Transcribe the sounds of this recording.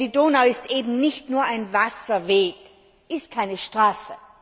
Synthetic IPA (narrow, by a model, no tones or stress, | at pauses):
d̥idoːnaʊɪstʔeːbm̩nɪçtnuːɐʔaɪnvasɐveːk | ʔɪst̚kʰaɪnəʃtʁ̥aːsə